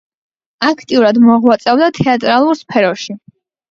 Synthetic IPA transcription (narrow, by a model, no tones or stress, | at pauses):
akʰt̪ʼiuɾad̪mɔʁwat̪sʼɛvd̪at̪ʰɛat̪ʼɾalˠuɾspʰɛɾɔʃi